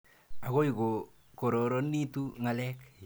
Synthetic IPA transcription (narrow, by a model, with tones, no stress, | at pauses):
a˨ɣo˦jko˨ | ko˨ɾɔ˨ɾɔ˦ni˦tu˦ŋa˨lɛk